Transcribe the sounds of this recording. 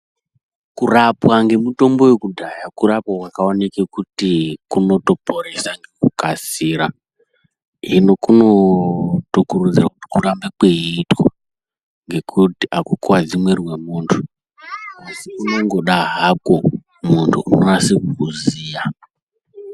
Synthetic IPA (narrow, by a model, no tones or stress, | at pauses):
kurapwaŋɡe̞muto̞mbo̞wekudʱajakuɾapwakwakaonekekutikuno̞to̞po̞ɾesaŋɡekukasiːɾa | ino̞kunotokurud͡zirakuti̥kurambekweiːtko | ŋɡe̞kʰutiʔakukuwad͡zimwerwemuːntʰu̥ | asikuno̞ŋɡo̞ɗaɦako | muntʰṵunonasikukuziːja